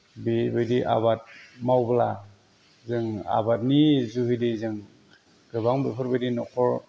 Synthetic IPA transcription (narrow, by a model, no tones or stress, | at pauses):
bibɯjdiʔa̰βat̚mawbɯla | zɯŋa̰bat̚nizuhidizɯŋ | ɡɯbaŋbepʰɯɾbadinɔkʰɔɹ